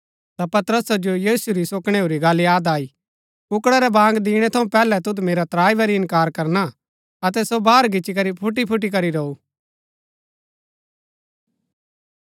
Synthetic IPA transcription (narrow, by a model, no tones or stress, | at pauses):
t̪apɐt̪ɾəsad͡ʒojiːsuɾisoːkɽ̃eoːɾiɡaːlijaːd̪aːi | ʊkɽɛɾɛbãːŋɡd̪ɪːɽ̃ɛt̪ʰɐũpɛːlɛt̪ʊt̪meːɾat̪ɾaːibɐɾiɪ̃nkaːɾkɐɾna | ɐt̪̬ɛsobaːɾɡɪt͡ʃik̬ɐɾipʰʊʈipʰʊʈ̬ːik̬ɐɾiɾɐu